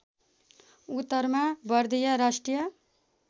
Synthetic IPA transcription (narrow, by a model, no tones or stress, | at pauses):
ut̪ːʌɾmabʌɾd̪ijʌɾasʈrijʌ